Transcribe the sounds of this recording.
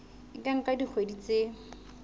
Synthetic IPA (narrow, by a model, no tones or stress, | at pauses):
kʼaŋ̩kʼadik͡xʰwedit͡se